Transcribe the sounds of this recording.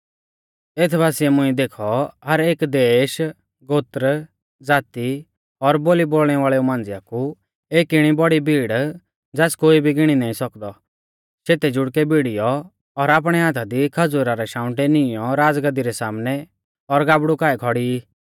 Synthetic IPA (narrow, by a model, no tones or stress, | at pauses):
eːt̪ʰbʱaːsiɛmʊ̃iɛ̃d̪eːkʰɔɦɐɾeːkd̪eːʃ | ɡoːt̪ɾ | d͡zaːt̪i | ɔɾboːliboːlɽ̃ɛʋaːɭɛumãːnd͡zɪjaku | eːkɪɽ̃ibɔɽibʱiːɽ | d͡zɛːskoːibʱiɡɪɽ̃inaːĩsɔkd̪ɔ | seːt̪ɛd͡ʒʊɽkɛbiɽijɔ | ɔɾaːp̬ɽ̃ɛɦaːt̪ʰad̪ikʰɐd͡zʊɾaɾɛʃãːʊ̃ʈɛnɪjɔɾaːd͡zɡɐd̪iɾɛsaːmnɛ | ɔɾɡaːbɽukaːɛkʰɔɽiː